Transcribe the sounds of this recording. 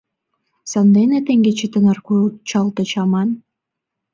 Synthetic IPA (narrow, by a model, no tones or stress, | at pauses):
sɑnd̪enet̪eŋɡet͡ɕit̪ə̆nɑrkut͡ɕɑlˠt̪ɤ̆t͡ɕɑmɑn